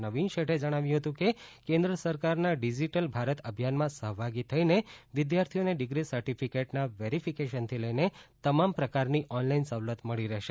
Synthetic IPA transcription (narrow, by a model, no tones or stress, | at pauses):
nəʋinʃeʈʰed͡ʒəɽ̃aʋjũɦət̪ũkekẽnd̪ɾəsəɾkaɾnaɖid͡ʒiʈəlbʱaɾət̪əbʱjanmãsəɦbʱaɡit̪ʰəineʋɪd̪jaɾt̪ʰioneɖɪɡɾisəɾʈifʰikeʈnaʋeɾifʰikeʃənt̪ʰiləjnet̪əmampɾəkaɾniʔɔnlainsəʋlət̪məɭiɾəɦʃe